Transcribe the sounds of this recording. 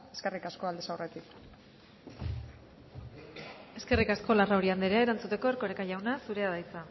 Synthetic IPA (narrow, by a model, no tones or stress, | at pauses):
eske̞rikasko̞ald̪esawre̞t̪ik | e̞ske̞rikasko̞laraoɾiand̪eɾeae̞ɾant͡sut̪e̞ko̞ɾko̞ɾekaʝawnasuɾe̞að̞ajt͡sa